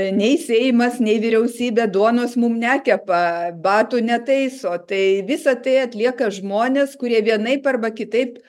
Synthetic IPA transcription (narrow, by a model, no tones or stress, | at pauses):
nʲɛɪsʲeːjɪmɐsnʲɛɪʋʲɪɾʲɛʊsʲiːbʲeːd̪uɔnoːsmumnʲæːkʲɛpɐbɑːt̪uːnʲɛt̪ɐɪsoːt̪ɐɪʋʲɪsɐt̪ɐɪɐt̪ʲlʲiɛkɐʒmoːnʲeːskʊɾʲiɛʋʲiɛnɐɪpɐrbɐkʲɪt̪ɐɪp